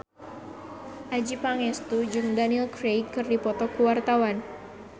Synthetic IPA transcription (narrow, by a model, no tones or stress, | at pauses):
ʔad͡ʒipaŋɛst̪ud͡ʒɨŋdaniɛlkɾejkːɨrdipɔt̪ɔkuwart̪awan